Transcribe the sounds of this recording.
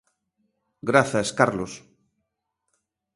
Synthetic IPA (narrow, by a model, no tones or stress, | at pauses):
ɡɾaθaskaɾlos